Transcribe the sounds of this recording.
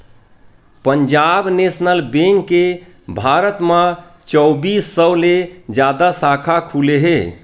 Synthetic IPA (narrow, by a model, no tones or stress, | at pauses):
pəɲd͡ʒabnesnəlbeŋkːe | bʱaɾət̪mət͡ʃɔwbisːəwled͡ʒad̪asakʰakʰuleɦe